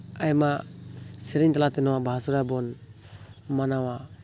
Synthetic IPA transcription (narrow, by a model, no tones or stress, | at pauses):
ajmasɛɾiɲt̪alat̪ɛnɔwabʱasuɾabɔn | manawa